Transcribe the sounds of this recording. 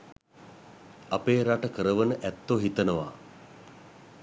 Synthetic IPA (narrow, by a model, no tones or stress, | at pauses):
apeːɾaʈəkəɾəʋənəʔɛt̪ːoɦit̪ənəʋa̰ː